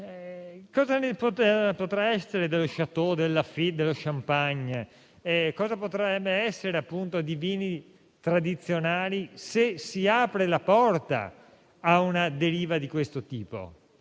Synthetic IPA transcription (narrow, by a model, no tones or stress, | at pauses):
kɔːzanepot̪apot̪ɾaɛsːeɾed̪eloʃat̪od̪elːafid̪elːoʃampaɲ | ɛkɔːzapot̪ɾaɛbɛsːeɾeapːunt̪od̪iviːni | t̪ɾad̪it̪sːjonaːlisesiaːpɾelapɔrt̪a̰ː | unad̪eɾiːvad̪ikwest̪ot̪iːpo̰